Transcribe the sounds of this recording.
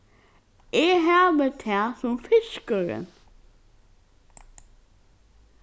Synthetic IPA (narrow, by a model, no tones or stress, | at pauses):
eɦæːbət̪ʰɛːsʊmfɪʃkəɹə̰n